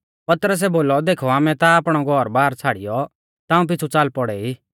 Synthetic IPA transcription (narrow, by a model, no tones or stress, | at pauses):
pɐt̪ɾəs̬ɛboːlɔd̪eːkʰɔaːmɛt̪aːpɽ̃ɔɡʱɔɾbaːɾt͡sʰaːɽijɔ | t̪aːũp̬ɪt͡sʰut͡saːlpɔɽɛiː